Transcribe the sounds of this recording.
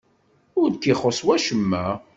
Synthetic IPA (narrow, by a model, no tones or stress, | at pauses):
ʊɾkːiχoswæʃəmːæ